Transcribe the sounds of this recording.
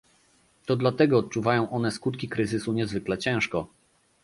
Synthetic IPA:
t̪ɔd̪lat̪ɛɡɔːt̪̚t͡ʂuvajɔ̃w̃ʔɔnɛskut̪̚kʲikɾɘzɘsuɲɛzvɘklɛt͡ɕɛ̃w̃ʂkɔ

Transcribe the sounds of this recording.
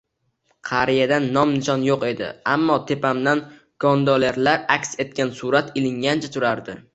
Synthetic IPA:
qʰɑɾijad̪anːɒmnɪʃɒnjoqe̞d̪ɪ̰a̰mːɒt̪ʰe̞pʰamd̪an | ɡ̥ɒnd̪ɒleɾlaɾakʲse̞t̪̚kʲansʊɾat̪ʰɪlɪŋɡʲant͡ʃʰat̪ʰʊɾaɾd̪ɪ

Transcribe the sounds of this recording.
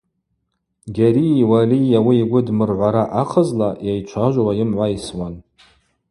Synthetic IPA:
ɡʲaɾiwaliawiːɡʷʊdmɨrʕʷaɾaʔaqʰəzlajajt͡ʃʷʰaʒʷwajɪmʕʷaiswan

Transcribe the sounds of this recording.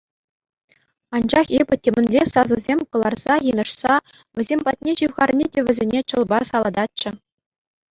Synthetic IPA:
ɑnd͡ʑɑχebʲɘ̆tʲemʲɘ̆nʲlʲesɑzɤ̆zʲemʲkɤ̆lˠɑrz̥ɑjɯnɤ̆ʂsɑ | ʋʲɘ̆zʲemʲpɑt̚ʲnʲeʑɯʋʁɑrnʲedʲeʋʲɘ̆zʲenʲet͡ɕɤ̆lˠbɑrsɑlˠɑd̪ɑt̚t͡ɕɘ̆

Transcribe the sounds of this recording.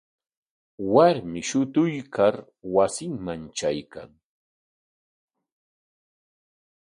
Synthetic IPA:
waɾmɪʃʊt̪ʊjkʰaɾ | wasɪŋmant͡ʃajka̰ŋ

